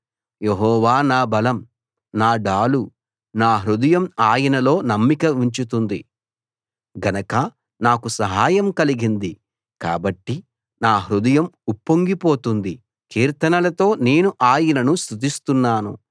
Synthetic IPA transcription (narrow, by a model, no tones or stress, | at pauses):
jeɦɔːʋaːnaːbɐlɐm | naːɖaːlu | naːɦɾud̪ɐjɐmaːjɐnɐlo̞ːnɐmːikɐuɲt͡ʃut̪und̪i | ɡɐnɐkɐ | naːkusɐɦaːjɐmkɐliɡind̪i | ka̰ːbɐʈːi | naːɦɾud̪ɐjɐmupːoŋɡipo̞ːt̪und̪i | kiːɾt̪ɐnɐlɐt̪o̞ːne̞ːnuʔaːjinɐnust̪ut̪ist̪unːaːnu